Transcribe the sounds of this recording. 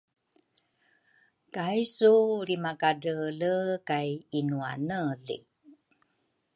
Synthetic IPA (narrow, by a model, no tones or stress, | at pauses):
kajsuɾimakaɖələkajinuanəlḭ